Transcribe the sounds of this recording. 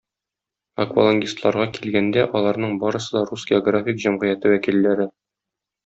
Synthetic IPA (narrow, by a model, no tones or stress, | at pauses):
ɐkvo̰lˠoŋɡʲist̪lˠɑ̰ɾʁɑkilɡænd̪æʔɒlˠɑɾnɤɴbɒɾɤ̆sɤ̆d̪ɑɾusɡʲɪoɡrafʲikʑæmʁɤ̆jæt̪ɘwækilːæɾɘ